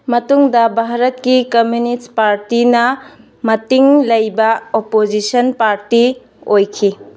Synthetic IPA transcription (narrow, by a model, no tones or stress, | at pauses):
mɐtuŋdɐbʱaɦɾɐt̚kikɐmjunispaɾtinɐ | mɐtiŋlɐjbɐopod͡ʒisɐnpaɾti | ojkʰi